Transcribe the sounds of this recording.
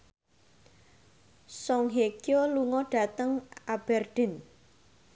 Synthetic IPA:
sɔŋɦekjoluŋɔɖ̥a̤t̪əŋab̥ɛrɖ̪̥ɛ̤n

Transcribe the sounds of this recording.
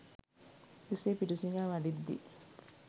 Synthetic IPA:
useːpiʈusiŋaːʋaɖid̪ːḭ

